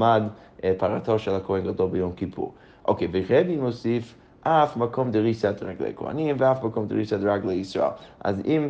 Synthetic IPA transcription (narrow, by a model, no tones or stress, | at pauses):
mad | pʰaɾatɔʃɛlˠakʰohɛnɡadɔlˠbɪjomkipʰṵʁ | ʔo̰kʰevɪχɛdimosif | ʔafmakʰɔmdɪʁisadʁaɡlˠḛkʰɔ̰a̰nimvɪafmakɔmdɪɾisadʁaɡlˠeisɔ̰ɛ̰lˠa̰zim